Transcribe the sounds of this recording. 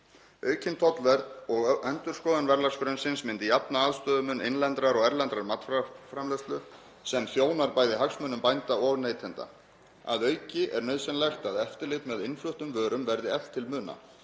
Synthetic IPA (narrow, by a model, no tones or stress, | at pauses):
œːɥcʰɪnt̪ʰɔt̪lvɛɾðɔɣɛnt̪ʏɾ̥skɔːðanvɛɾlarskɾœnsɪnsmɪnt̪ɪjapnaaðst̪œːðʏmʏnɪ̰nlɛnt̪ɾaɾɔɣɛɾlɛnt̪ɾaɾmat̪fafɾamlɛst̪lʏ | sɛmθjoːwnaɾpaːjðɪɦaksmœːnːʏmpajnt̪aɔɣneːjt̪ʰɛnt̪a̰ | a̰ðœːɥcɪʔɛɾnœɥðsɛnlajxt̪aðɛft̪ɪɾlɪt̪mɛðɪnflʏht̪ʏmvœːɾʏmvɛɾðɪɛl̥t̪ʰːɪlmʏːna̰